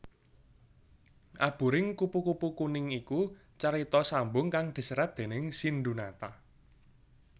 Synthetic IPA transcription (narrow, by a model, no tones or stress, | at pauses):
ʔab̥ṳɾɪŋkupukupukunɪŋiku | t͡ʃaɾit̪ɔsambʊŋkaŋd̪̥i̤səɾad̪̥e̤nɪŋsinɖ̪unat̪a